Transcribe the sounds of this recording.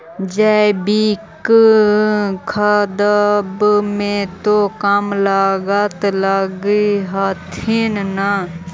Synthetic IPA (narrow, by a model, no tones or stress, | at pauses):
d͡ʒabik | kʰəd̪əbmẽt̪okəmlaɡət̪ləɡiɦat̪ʰinna